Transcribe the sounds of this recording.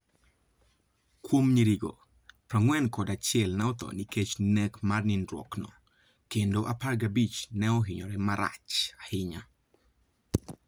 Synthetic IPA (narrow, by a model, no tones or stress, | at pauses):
kwomɲiɾiɡo̰ | pɾaŋwɛnkɔdat͡ʃɪɛlnɛɔt̪ɔ̰niket͡ʃnɛkmarninɾwɔ̰knɔ̰ | kendoʔaparɡabit͡ʃnɛoɦɪɲɔɾɛmaɾa̰t͡ʃahɪɲa